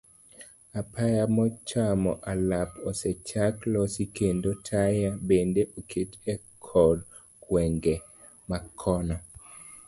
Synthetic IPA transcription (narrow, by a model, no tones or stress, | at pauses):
apʰajamɔt͡ʃamɔʔalapɔsɛt͡ʃaklɔsikendotʰajabendeʔokʰetɛkʰɔd | kwɛŋɡe | makʰɔna